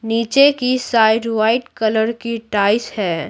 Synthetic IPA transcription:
niːt͡ʃekisaːɪɖʋaːɪʈkɐləɾkiʈaːɪshɛː

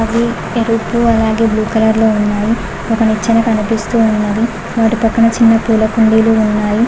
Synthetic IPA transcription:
ɐʋi | eɾupuɐlaːɡe̞ːbluːkɐlɐɾlo̞ːunːaːji | ɔkɐnit͡ʃːɐnɐkɐnupist̪uːunːɐd̪i | ʋaːʈipɐkːɐɳɐt͡ʃinːɐpuːlɐkuɳɖiːluunːaːji

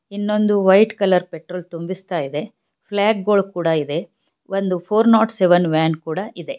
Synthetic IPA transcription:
inːo̞nd̪uʋɐjʈkɐlɐɾpeʈɾoːlt̪umbist̪aːjid̪e̞ | pʰlaːk̚ɡoːɭkuːɽɐid̪e̞ | ʋond̪upʰoːɾnaːʈseʋɐnʋaːnkuːɽɐʔid̪e̞

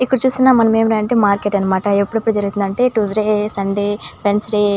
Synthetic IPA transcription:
ikːɐɽɐt͡ʃuːst̪unːaːmːɐnɐmeːmɾeɐɳʈeːmaːɾkeːʈɐnɐmaːʈɐepːuɽepːuɽud͡ʒɐɾuɡut̪und̪ɐɳʈe̞ːʈuːsɾeːsɐɳɖeːpensɾe

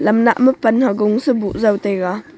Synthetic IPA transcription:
lɐmna̰ʔməpɐnhaɡʊŋsəbuʔzɐwt̪ejka

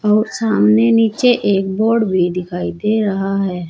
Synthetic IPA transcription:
ɔːɾsaːmneniːt͡ʃeʔeːk̚boːɾɽbʱid̪ɪkʰaːid̪eːɾəɦaɦɛː

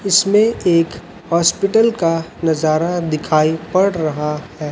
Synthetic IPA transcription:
ɪsmẽeːk | hɔːspɪʈəlkanɐzaːɾad̪ɪkʰaːipɐɽɾɐɦahɛː

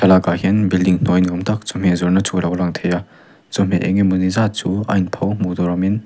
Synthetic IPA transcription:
kʰɐlaɡaɦenbildiŋn̥ojnɔmtʰak̚zum̥ezɔɾnɐt͡ʃʰuɾawlaŋtʰeja | zum̥eʔḛŋimunizat͡ʃua̰jnpʰawmudɔɾɔmin

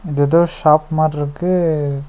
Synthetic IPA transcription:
ɪðeːðoːʃaːpmaːʈɪɾɯkːɯ

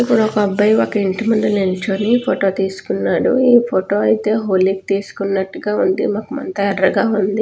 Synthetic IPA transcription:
ipːuɽɔkɐɐbːɐjokɐiɳʈɐmɐɖɐleɲt͡ʃoːnipʰoʈo̞ːt̪iːsu̥kunːaːɽṵiːpʰoʈo̞ːɐjit̪e̞ːɦoːlik̚t̪iːsu̥kunːɐʈːuɡaːund̪ḭmaːkumɐ̰nt̪ɐɛɖɐɡaːund̪i

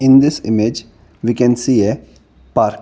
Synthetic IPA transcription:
ɪ̃nd̪ɪsɪ̰med͡ʒ | ʋikɛ̃nsiːe | paːɾk

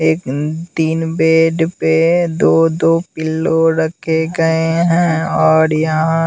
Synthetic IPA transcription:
eːkt̪iːnbeːɖped̪oːd̪oːpɪlːoɾɐkʰeɡɐeɦɛ̃ɔːɾjɐɦã

